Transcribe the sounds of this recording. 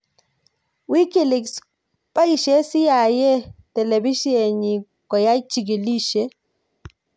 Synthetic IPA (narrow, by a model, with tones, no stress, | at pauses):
wi˦ki˨lɪ˨ks | pa˦i˨ʃe˦sɪ˦ja˨jɛ˦tɛ˨le˨bi˦ʃe˨ɲi˨ | kɔ˨ja˦t͡ʃi˨ɡ̬i˨li˦ʃe˨˦